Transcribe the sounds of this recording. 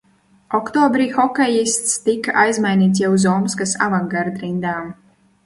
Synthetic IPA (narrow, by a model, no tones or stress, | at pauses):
ɔkt̪oːbɾiːxɔkʲɛjist̪st̪ikaʔajzmajniːt̪sʲjawzɔːmskasa̰vaŋɡaɾd̪ɾind̪aːm